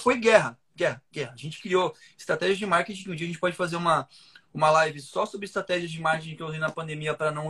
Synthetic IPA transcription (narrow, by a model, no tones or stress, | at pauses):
fojɡɛɦɐ | ɡɛɦɐɡɛhɐːʒẽnt͡ʃɪ̥kɾio | ɪ̥st̪ɾat̪ɛʒiɐzd͡ʒɪmaɾket͡ʃĩkũd͡ʒiɐʒẽt͡ʃɪpɔd͡ʒɪ̥fazeɾũmɐ | ũmɐlajvɪsɔsobɾɪist̪ɾat̪ɛʒiɐzd͡ʒɪimaɾket͡ʃĩkeuzejnɐpɐ̃nd̪emiɐpɾɐnɐ̃